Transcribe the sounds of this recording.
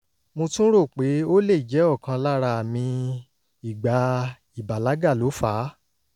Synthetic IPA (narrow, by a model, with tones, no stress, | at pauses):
mũ˧tũ˦ɾo˦˨k͡pe˨˦o˦le˦˨d͡ʒɛ˨˦ɔ˦˨kã˧la˦ɾa˧˨mĩ˧ | i˦˨ɡ͡ba˨ | i˦˨ba˨la˨˦ɡa˦˨lo˨˦faː˨˦